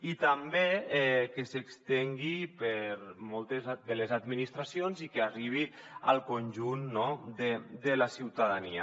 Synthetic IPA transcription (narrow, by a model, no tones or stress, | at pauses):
it̪ambeɛkesekst̪eŋɡipəɾmɔlˠt̪ezðelezad̪minist̪ɾasionzikeariβ̞ia̰lˠkonʲʒunːɔd̪əd̪elasiwt̪aðania